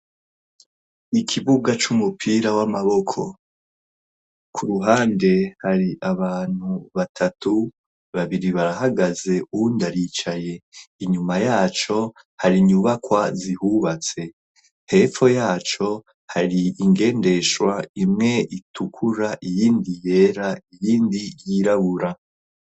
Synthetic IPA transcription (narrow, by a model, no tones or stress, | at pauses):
ikʰiβuɡat͡ʃumupʰiːɾawamaβo̞kʰo̞ | kʰuɾuɦaːnde̞haɾiʔaβaːn̥huβatʰatu | βaβiɾiβaɾaɦaɡaze̞ʔuundaɾiːt͡ʃaje̞iɲumajaːt͡ʃo̞ | haɾiɲuβakwazihuβat͡se̞ | he̞fo̞jaːt͡ʃo̞ | haɾiiŋɡe̞ːnde̞ʃwaimŋe̞ʔitʰukʰuɾaʔijiːndije̞ːɾaijiːndijiɾaβuɾa